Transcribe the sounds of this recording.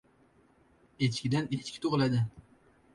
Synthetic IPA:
et͡ʃkʲɪd̪anet͡ʃkʲʰɪ̥t̪ʰoʁlad̪ɪ

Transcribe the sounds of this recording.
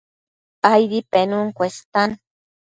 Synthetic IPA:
ajd̪ipenuŋkʷest̪an

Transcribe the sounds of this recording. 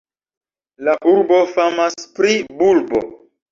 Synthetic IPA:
laʔuɾbo̞famaspɾibulbo̰

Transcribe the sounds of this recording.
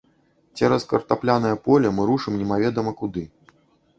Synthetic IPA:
t͡sʲɛɾɐskɐrt̪aplʲanɐjɐpɔlʲɐmɨɾuʂɨmnʲɛmavʲɛd̪ɐmɐkud̪ɨ

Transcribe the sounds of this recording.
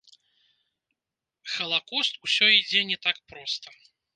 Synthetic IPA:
xɐlˠakɔst̪usʲɔid͡zʲɛnʲɛt̪ak̚pɾɔst̪ɐ

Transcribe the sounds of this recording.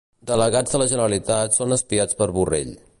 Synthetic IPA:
d̪ələɣad͡zzðələʒənəɾəlit̪at̪sonəspiat͡spəɾβurḛʎ

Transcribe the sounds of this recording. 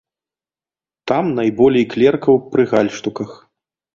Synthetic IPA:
t̪amnajbɔlʲɛjklʲɛrkɐwpɾɨɣalʲʂt̪ukɐx

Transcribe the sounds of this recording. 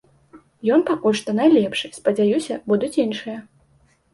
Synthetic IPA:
jɔnpakulʲʂt̪ɔnajlʲɛpʂɨspɐd͡zʲajusʲɐbud̪ut͡sʲinʂɨjɐ

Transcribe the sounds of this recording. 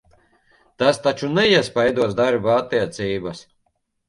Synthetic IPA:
t̪ast̪at͡ʃunɛiɛspajd̪uɔsd̪aɾbat̪ːiɛt̪siːbas

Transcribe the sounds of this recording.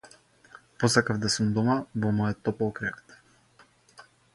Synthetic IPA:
pɔsakavd̪asumd̪ɔmavɔmɔjɔt̪ːɔpɔlˠkɾɛkt̪

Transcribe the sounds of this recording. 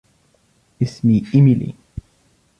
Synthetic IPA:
ɪsmiimilḭ

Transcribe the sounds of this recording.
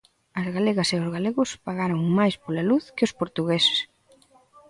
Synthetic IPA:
ɐzɣaleɣɐseʊzɣaleɣʊspaɣaɾoŋmajspolaluθkɪospoɾt̪uɣesɪ̥s

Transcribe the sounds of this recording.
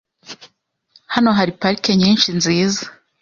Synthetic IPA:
hano̞ɦaɾipaɾike̞ɲiːnʃinziːza

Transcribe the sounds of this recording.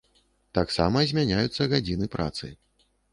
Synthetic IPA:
t̪aksa̰mɐzʲmʲanʲajut̪sːɐɣad͡zʲinɨpɾa̰t̪sɨ̰

